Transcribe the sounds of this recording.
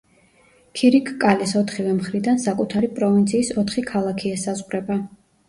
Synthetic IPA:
kʰiɾikʰkʼalisɔt̪ʰχivɛmχɾid̪ansakʼut̪ʰaɾipʼɾɔvint̪sʰiːsɔt̪ʰχikʰalˠakʰiɛsazʁwɾɛba

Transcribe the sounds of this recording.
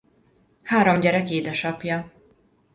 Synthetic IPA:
haːɾomɟɛɾɛkeːd̪ɛʃɒpjɒ

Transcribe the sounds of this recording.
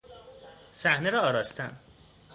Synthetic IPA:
sæhneɾɒɒːɾɒːst̪ʰæm

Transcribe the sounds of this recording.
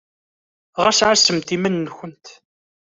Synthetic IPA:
ʁæsʕasəmt̪imænːçənt̪

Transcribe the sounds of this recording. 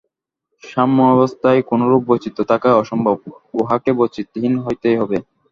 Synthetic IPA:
ʃamːoɛbost̪ʰaekonoɾubːot͡ɕit̪ot̪ʰakaɔʃombʱob̚oɦakebot͡ɕit̪ɦinɦojt̪ejɦɔbe

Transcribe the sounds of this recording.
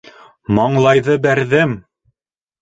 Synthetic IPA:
mɑɴlˠɑjðɤbæɾðɘm

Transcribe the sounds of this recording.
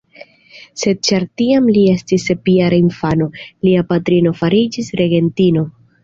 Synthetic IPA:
se̞d̚t͡ʃaɾtiamlie̞stise̞piaɾainfano̞liapatɾino̞faɾid͡ʒisɾe̞ɡe̞ntino̞

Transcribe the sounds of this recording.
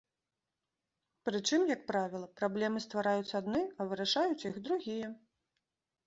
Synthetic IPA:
pɾɨt͡ʂɨmjɐk̚pɾavʲilˠɐpɾablʲɛmɨst̪vaɾajut̪sːɐad̪nɨɐvɨɾaʂajut͡sʲjixd̪ɾuɣʲijɛ

